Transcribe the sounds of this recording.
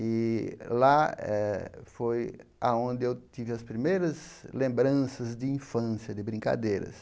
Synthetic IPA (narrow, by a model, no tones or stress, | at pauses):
ɪlaɛfoja̰õnd̪ɪewt̪ivɪɐspɾimejɾɐzlẽmbɾɐ̃sɐzd̪ɪĩfɐ̃sjɐd̪ɪbɾĩŋka̰d̪ejɾɐ̰s